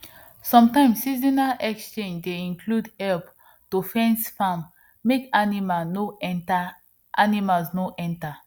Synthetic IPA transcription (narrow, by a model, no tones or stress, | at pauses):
sɔ̃mtãɪ̃msizinaʔɛkst͡ʃẽnd͡ʒdeĩnkʰludhɛlp | tufɛ̃nsfãmː | ekanimanoɛnta | ʔanimalsnoʔɛ̃nta